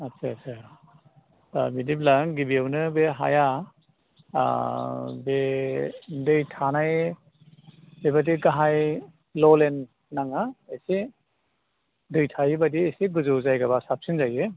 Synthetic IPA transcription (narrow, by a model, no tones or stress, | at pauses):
atsaasʰa | abidiblaŋɡibiawnɯbeɦa̰ja | be | dɯjtʰanaj | bebadiɡaɦaj | lɔlenː | aŋaesi | dɯjtʰajibadiesiɡɯzɯwzajɡaβasap̚sinzaje